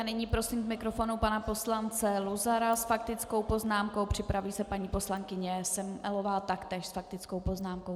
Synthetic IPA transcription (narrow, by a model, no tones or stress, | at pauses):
anɪɲiːpɾo̞siːmzmɪkɾo̞fo̞nupanapo̞slant͡sɛluzaɾasfakt̪ɪt͡sko̞wpo̞znaːmko̞wpr̝̥ɪpɾaviːsɛpaɲiːpo̞slaŋkɪɲɛsɛmmʔɛlovaːt̪akt̪ɛːʃsfak̚t̪ɪt͡skowpo̞znaːmko̞w